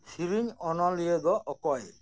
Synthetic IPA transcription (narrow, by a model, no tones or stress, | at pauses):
siɾiɲɔnɔlied̪ɔʔɔkɔj